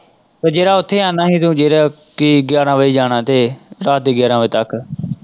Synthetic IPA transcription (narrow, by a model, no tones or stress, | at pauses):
soːd͡ʒeːɾaːʊt̪ʰːeːãːnd̪aːɦĩːt̪ũːd͡ʒeːɾaː | kiːɡɪjaːɾãːʋəiːd͡ʒaːnãːt̪eːɾaːt̪̚d̪eːɡjaːɾãːʋeːt̪ək